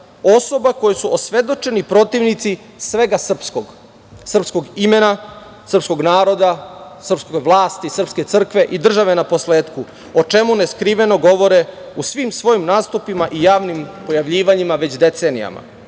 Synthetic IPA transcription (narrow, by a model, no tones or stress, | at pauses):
o̞so̞bako̞jesuʔosʋe̞d̪o̞t͡ʃe̞nipɾo̞t̪iʋnit̪si | sʋe̞ɡasr̩pskoɡ | sr̩pskoɡime̞na | sr̩psko̞ɡnaːɾo̞d̪asr̩pskojʋlˠaːst̪isr̩pske̞t̪sr̩kʋe̞ʔid̪r̩ʒaʋe̞napo̞sleːt̪ku | ot͡ʃe̞muneskɾiʋe̞no̞ɡo̞ʋo̞ɾeusʋimsʋo̞jimnaːst̪upimaʔijaːʋnimpo̞jaʋʎiːʋaɲimaʋe̞t͡ɕd̪e̞t̪se̞ːnija̰ma̰